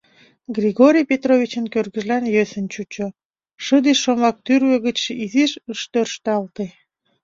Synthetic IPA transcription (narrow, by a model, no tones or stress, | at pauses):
ɡrʲiɣoɾʲijpʲet̪rovʲit͡ɕənkørɣəʒlænjøsənt͡ɕut͡ɕo | ʃəd̪iʃːomlɑk̚t̪yrβøɣət͡ɕiziʃəʃt̪ørʃt̪ɑlt̪e